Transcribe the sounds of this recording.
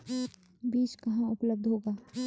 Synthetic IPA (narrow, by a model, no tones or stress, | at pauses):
biːt͡ʃkɐɦãʊpləb̚d̪ʱɦoːɡaː